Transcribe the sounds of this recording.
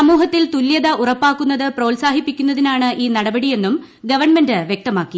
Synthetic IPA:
ɐmuːɦɐt̪ːilt̪uljɐðɐʔurɐpːaːkːunːɐðɨproːlsaːɦipːikʲːun̪ːɐðinaːɳɨʔiːnɐɽɐbɐɽije̞nːum | ɡɐʋɐrɳmendɨʋjek̚t̪ɐmaːkːi

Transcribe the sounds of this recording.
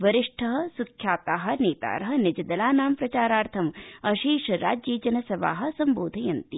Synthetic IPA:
ʋɐɾiʂʈʰɐɦɐ̆sukʰjaːt̪aːɦɐ̆neːt̪a̰ːɾɐɦɐ̆nɪd͡ʒɐd̪ɐlaːnaːmpɾɐt͡ʃaːɾaːɾt̪ʰɐmɐʃiːʃɐɾa̰ːd͡ʒjeːd͡ʒɐnɐsɐʋa̰ːɦɐ̆sɐmboːd̪ʱɐjɐnt̪i

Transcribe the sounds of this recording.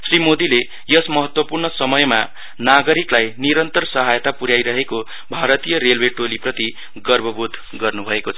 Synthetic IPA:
srimod̪ile | jʌsmʌɦʌt̪wʌpurnʌsʌmʌjma | naɡʌɾiklajniɾʌnt̪ʌrsʌɦajt̪apuɾjajɾʌɦeko | bʱaɾʌt̪ijʌrelweʈoliprʌt̪i | ɡʌrbʱʌbud̪ʱ | ɡʌrnubʱʌekot͡sʰʌ

